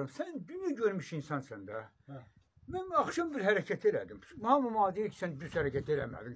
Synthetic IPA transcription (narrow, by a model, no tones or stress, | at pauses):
ɑmsænnd̪ynjæɟøɾmyʃinsɑnsænd̪æ | mænɑxʃɑmbiɾɦæɾæcʰæt̪ʰelæ̰d̪immhɑmɑmɑːd̪ijiɾcʰi̥sænd̪yzhæɾæcʰæt̪ʰelæ̰mæ̰d̪im